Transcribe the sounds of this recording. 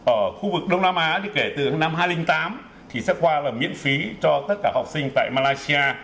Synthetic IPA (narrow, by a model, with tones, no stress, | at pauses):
ʔəː˧˩xu˧vɨ˨˩k̚ɗə˧wŋ͡mnaː˧mʔaː˨˦ɗi˧˨˩ke˧˩t̪ɨ˨˩˨na˧mhɦaː˧jlï˧ŋ̟t̪aː˨˦m | t̪ʰi˨˩sɛ̰˧˥kwaː˧laː˨˩mḭ˧˨ənfi˨˦t͡ɕɔ˧t̪ə˦˥t̚kaː˧˩hɔ˨˩wk͡p̚sï˧ŋ̟t̪a̰ː˧˨jmaː˧laː˧jsi˧aː˧